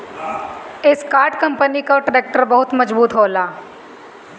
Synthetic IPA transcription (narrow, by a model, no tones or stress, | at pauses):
ɪskaːɾʈkɐ̃mpənikaʈɾeːk̚ʈəɾbɐɦʊt̪mɐd͡ʒbuːt̪ɦoːlaː